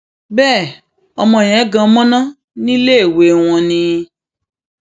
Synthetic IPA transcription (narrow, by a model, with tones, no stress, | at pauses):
bɛː˦˨ | ɔ˧mɔ̃˧˨j̃ɛ̃˨˦ɡã˧˦mɔ̃˦nã˦ | nĩ˦le˦e˦˨we˨˦w̃ɔ̃˧nĩ˧